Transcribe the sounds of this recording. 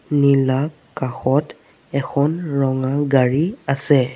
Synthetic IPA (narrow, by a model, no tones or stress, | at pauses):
nilak | kaxɔt | ɛkʰɔnɹɔŋaɡaɹiasɛ